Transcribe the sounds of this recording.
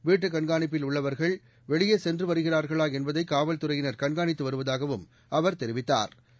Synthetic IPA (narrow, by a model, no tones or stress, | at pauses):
ʋiːʈːɯkɐɳɡaːnɪp̬ːɪlʊɭːɐʋɐɾɣɐɭ | ʋɛɭɪjɐsɛndrɯʋɐɾɯɣɪraːɾɣɐɭaːɛnbɐðɐɪkːaːʋɐlt̪ɯrɐjɪnɐɾkɐɳɡaːnɪt̪ːɯʋɐɾɯʋɐðaːɣɐʋɯm | ɐʋɐɾt̪ɛɾɪʋɪt̪ːa̰ːɾ